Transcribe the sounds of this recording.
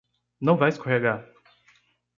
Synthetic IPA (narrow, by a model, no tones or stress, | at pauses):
nɐ̃w̃vajskoɦaɡa